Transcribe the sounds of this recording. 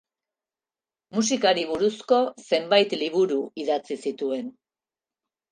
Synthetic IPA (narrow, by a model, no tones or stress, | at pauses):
mus̬ikaɾiβ̞uɾusko̞se̞mbajt̪liβuɾuiðat͡sisit̪ue̞n